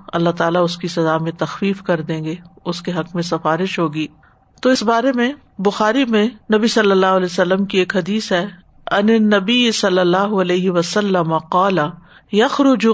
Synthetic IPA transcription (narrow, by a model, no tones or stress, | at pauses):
ɐ̰lːaɦt̪aːlaʊskisɐzaːmẽt̪ɐxfiːfkɐɾd̪ẽːŋɡeʊskeɦɐqmẽsɐfaːɾɪʃɦoːɡiː | t̪oɪsbaːɾemẽ | bʊxaːɾimẽnɐbisɐlːəlːaːɦʊɐlɛːsɐlːəmkieːkɦɐd̪iːsɦɛː | ɐnenːɐbijsɐlːəlːaːɦʊɐlɛːɦɪʋɐsɐlːəmaqaːlɐ | jɐxɾʊd͡ʒʊ